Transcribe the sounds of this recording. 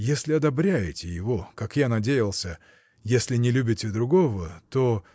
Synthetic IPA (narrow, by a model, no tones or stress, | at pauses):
jesʲlʲɪɐd̪ɐbɾʲæjɪtʲɪjɪvo̞kakjanɐdʲejɪlˠsʲə | jesʲlʲɪnʲɪlʲubʲɪtʲɪd̪ɾʊɡovət̪o